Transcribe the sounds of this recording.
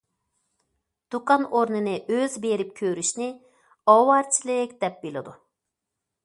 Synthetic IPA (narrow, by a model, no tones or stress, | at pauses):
d̪̥ukʰɑnoɾnɨnɨʔøzbeɾip̚kʲʰøɾyʃnɪ | ɑwɑɾt͡ʃʰilˠɪɛk̚ʲd̪̥ɛp̚bilˠɪd̪u